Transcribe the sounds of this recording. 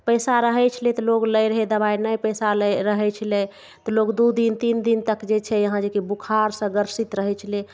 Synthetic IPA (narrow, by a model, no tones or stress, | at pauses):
pəjsaɾəɦɛt͡ʃʰəlet̪ɔloɡləjɾəɦed̪əbajnəjpəjsaləɾəɦɛt͡ʃʰəle | t̪ɔloɡd̪ud̪int̪ind̪int̪əkd͡ʒet͡ʃʰɛjəɦãd͡ʒekibukʰaɾsə̃ɡəɾsit̪ɾəɦɛt͡ʃʰəle